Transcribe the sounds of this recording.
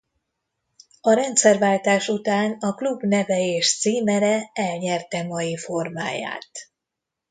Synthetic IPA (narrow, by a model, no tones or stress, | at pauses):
ɒɾɛnt̪sɛrvaːlt̪aːʃut̪aːnɒklubnɛvɛeːʃt̪siːmɛɾɛɛlɲɛrt̪ɛmɒjifo̞rma̰ːja̰ːt̪